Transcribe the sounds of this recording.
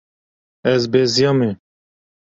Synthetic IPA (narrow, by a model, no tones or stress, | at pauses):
ɛzbezijɑmɛ